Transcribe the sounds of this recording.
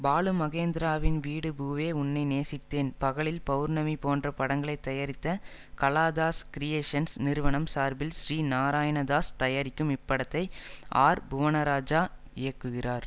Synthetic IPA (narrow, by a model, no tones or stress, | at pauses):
baːlɯmɐɣeːnd̪ɪɾaːʋɪnʋiːɽɯbuːʋeːʊnːɐɪneːsɪt̪ːeːnpɐɣɐɭɪlpɐʋɯɾnɐmipoːndrɐpɐɽɐŋɡɐɭɐɪt̪ːɐjɐɾɪt̪ːɐ | kɐlaːd̪aːskɾɪjeːʂɐnsnɪɾɯʋɐɳɐmsaːɾbɪlʃɾiːnaːɾaːjɐɳɐd̪aːst̪ɐjɐɾɪkːɯmɪpːɐɽɐt̪ːɐɪʔaːɾbʊʋɐnɐɾaːd͡ʒaː | ɪjɐkːɯɣɪraːɾ